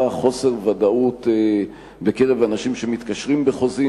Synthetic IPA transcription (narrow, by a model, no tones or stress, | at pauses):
aχo̞se̞ʁvad̪aut̪ | be̞keʁevanaʃimʃemit̪kaʃʁimbeχo̞zi